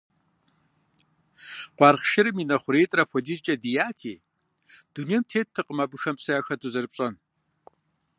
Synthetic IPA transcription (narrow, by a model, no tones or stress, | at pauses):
qʷɑːrχʃɪɾɨminɐχʷʊɾeːtʼrɐpʷʰɔdiːt͡ʃʼɐdijaːtʰḭː | d̥uniɛmtʰeːt̚ʰːɨqəmabɨxɐmpsɐjaːxɐdʰʼuzɐrpɕʼɐn